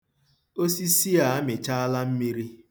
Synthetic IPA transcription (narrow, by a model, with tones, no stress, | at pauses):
o˦si˦si˦a˨a˦me˨t͡ʃa˦a˦la˦m̩˦mi˦ɾi˦